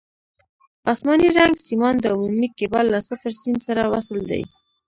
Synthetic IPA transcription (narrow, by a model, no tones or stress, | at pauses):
ɑsmɑniɾaŋɡsimɑnd̪əumumikebɑlːasafaɾsinsaɾawasəld̪a̰j